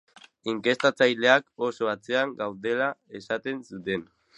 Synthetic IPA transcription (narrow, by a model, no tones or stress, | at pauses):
iŋke̞st̪at͡sajle̞akosoat͡se̞aŋɡawðe̞lae̞sat̪e̞nsut̪e̞n